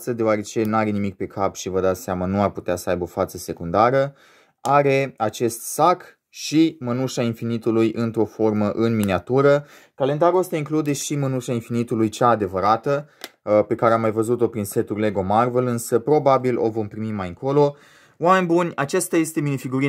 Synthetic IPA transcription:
t̪səd̪eoaɾe̞t͡ʃe̞naɾe̞nimik̚pe̞kʰapʃivəd̪at̪seamanuarput̪easəajbəo̞fat̪səse̞kund̪aɾə | aɾe̞at͡ʃe̞st̪sak | ʃimənuʃainfinit̪ulujʔɨnt̪ɾo̞fo̞rməʔɨnminiat̪uɾə | kale̞nd̪aɾuost̪aiŋklud̪e̞ʃimənuʃainfinit̪ulujt͡ʃaːd̪e̞vəɾat̪əpe̞kaɾeamːajvəzut̪o̞pɾinse̞t̪urle̞ɡo̞marve̞lɨnsəpɾo̞babilʔo̞̰vo̞mpɾimimajɨŋko̞lo̞ | wame̞nʲbunʲat͡ʃest̪aje̞st̪e̞minifiɡuɾi

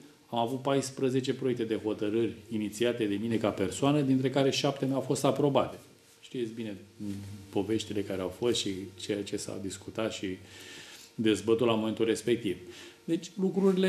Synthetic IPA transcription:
amavut̪̚pajspɾəze̞t͡ʃe̞pɾoek̚t̪e̞d̪e̞ɦo̞t̪əɾɨrʲinit̪siat̪e̞d̪e̞mine̞kape̞rsoanəd̪int̪ɾe̞kaɾe̞ʃap̚t̪emawfo̞st̪apɾo̞bat̪e̞ | ʃt̪ijet̪sʲbine̞ | po̞ve̞ʃt̪ile̞kaɾeawfo̞st̪ʃit͡ʃe̞jat͡ʃe̞sa̰wd̪iskut̪at̪ʃi | d̪e̞zbət̪ulamo̞me̞nt̪ulre̞spe̞k̚t̪ivd̪e̞t͡ʃʲlukɾuɾile

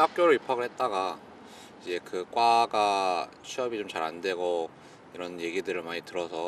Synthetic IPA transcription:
hak̚k͈joɾɯɭipʰaɡɯɭhe̞t̚t͈aɡa | id͡ʑe̞kɯk͈waɡat͡ɕʰiʌbit͡ɕomt͡ɕaɾandwe̞ɡo | iɾʌnje̞ɡidɯɾɯɭmaɲitɯɾʌsʰʌ

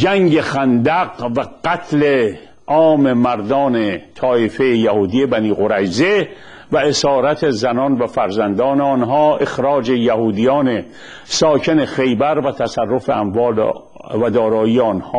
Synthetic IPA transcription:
d͡ʒæŋɡe̞xænd̪æɡvæqæt̪ʰle | ʔɒːmemæɾd̪ɒːnet̪ʰɒːefejejæhuːd̪ijebæniːɣoɾæjze | væesɒːɾæt̪ʰezænɒːnvæfæɾzænd̪ɒːneɒnɦɒːʔe̞xɾɒːd͡ʒejæhuːd̪ijɒːne | sɒːcʰenexe̞jbæɾvæt̪ʰæsærːo̞feæmvɒːl̰ | væd̪ɒːɾɒːiːeɒːnhɒː

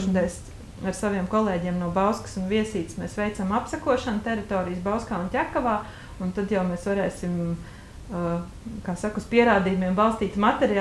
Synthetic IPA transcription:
ʃnd̪ɛjs | aɾsaʋiɛmkɔlˠeːɟiɛmnuɔbawskə̥sunʋiɛsiːt̪smeːsʋɛjt̪samapsɐkuɔʃɐnt̪ɛɾit̪oːɾijsbaʊskaːuntʲækɐʋaː | unt̪ad̪jawmeːsʋaɾɛːsim | kaːsakuspiɛɾaːd̪iːjumiɛmbalˠst̪iːt̪mat̪ɛɾi

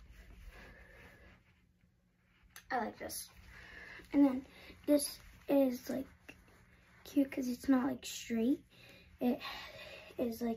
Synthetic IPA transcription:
aɪlaɪk̚ðɪ̰s | ʔɨ̃nðɨ̃nðɪsɪzlaɪkʰ | j̥ʉkʰʌzɨtsnət̚ˡla̰ɪkstɹ̥eɪt̚ | ɪɾ | ɪzlaɪ

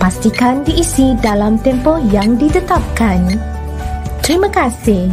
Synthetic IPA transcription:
past̪ikandiʔːsidalamt̪ɛmpɔhjaŋdit̪ət̪ap̚kan | t̪əɾimakasɪh

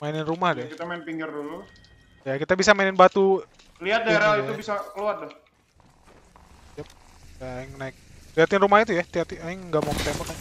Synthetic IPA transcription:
mainɪnrumahdɛkit̪amaɪnpiŋɡɪrdulu | jakit̪abisamainɪnbat̪u | liɦat̪̚daeɾaiubisakəluat̪lah | jap | jaŋnaɪk̚liɦat̪ɪnrumahit̪̬ujat̪iat̪iaŋŋɡamauŋət̪embakan

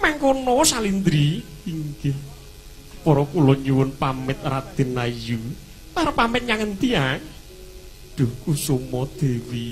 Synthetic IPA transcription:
maŋkonɔsalind̪ɾiiŋɡɪh | pɔɾɔkulɔɲuwʊnpamɪt̪̚rad̪̥e̤naju | kaɾopamɪt̪̚ɲaŋənt̪ia | d̪̥o̤kusomɔd̪̥e̤wi

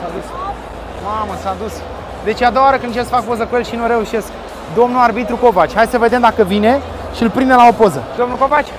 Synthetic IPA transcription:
sad̪us | maməsaːd̪us | d̪e̞t͡ʃead̪oawaɾəkɨnt͡ʃesəfakpo̞zəkuje̞lʃinuɾe̞uʃe̞sk | d̪o̞mnuarbit̪ɾuko̞vat͡ʃʲhajd̪ʲsəve̞d̪e̞md̪akəvine̞ | ʃiɨlpɾind̪elao̞po̞zəd̪o̞mnukopat͡ʃʲ

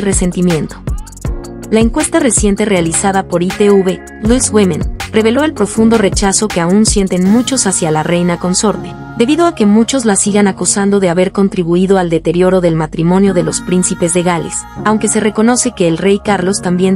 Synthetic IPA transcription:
re̞se̞nt̪imjẽ̞nt̪o̞̥ | laeŋkwe̞st̪are̞sje̞nt̪e̞re̞alisaðapo̞ɾit̪euβe | luswemẽnre̞βe̞lo̞e̞lpɾo̞fund̪o̞re̞t͡ʃaso̞ke̞aunsje̞nt̪e̞nmut͡ʃo̞sasjalarʔe̞jnako̞nso̞ɾt̪e̞ | d̪e̞βiðo̞ake̞mut͡ʃo̞zlasiɣanakusand̪o̞ðe̞aβe̞ɾko̞nt̪ɾiβuiðo̞ald̪e̞t̪e̞ɾjo̞ɾo̞ðe̞lmat̪ɾimõ̞njo̞ðe̞lo̞spɾinsipe̞zle̞ɣale̞̰sawŋke̞se̞re̞ko̞no̞se̞ke̞ːlre̞jkaɾlo̞st̪ambje̞n

